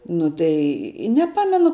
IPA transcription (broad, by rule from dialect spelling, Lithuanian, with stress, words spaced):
ˈnʊ tɐɪ ɪ nʲɛˈpɑːmʲɛnʊ